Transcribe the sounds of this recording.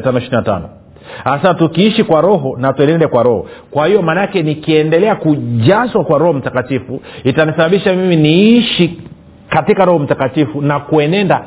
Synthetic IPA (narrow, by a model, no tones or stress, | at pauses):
tanɔiʃiɾinata̰nɔ | hasatukiiʃikwaɾɔɦɔnatuɛnɛndɛkwaɾɔhɔ̰kwahijɔmanakɛnikiɛndɛlɛakuʄaswakwaɾɔhɔm̩takatifuitanisaɓaɓiʃamiminiiʃi | katikaɾɔhɔm̩takatifunakuɛnɛnda